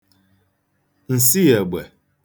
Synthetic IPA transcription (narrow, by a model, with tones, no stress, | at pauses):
n̩˨si˦jɛ˨ɡ͡bɛ˨